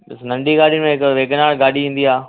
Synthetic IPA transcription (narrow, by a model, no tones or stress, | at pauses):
ɐsnɐ̃ɳɖiɡaːɽijnɪmẽɦɪkʋeːkənaːɽɡaːɗiĩːn̆d̪iaː